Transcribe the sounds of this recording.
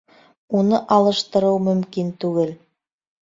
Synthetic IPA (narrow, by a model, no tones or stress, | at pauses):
unɤʔɑlˠɤ̆ʃt̪ɤ̆ɾɤwmɵ̆mkint̪ʉɡɘl